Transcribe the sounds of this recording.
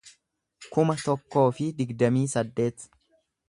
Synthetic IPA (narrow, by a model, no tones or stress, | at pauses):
kʊmɐt̪ɔkːo̞ːfɪd̪ɪɡd̪ɐmiːsɐd̪ːe̞ːt̪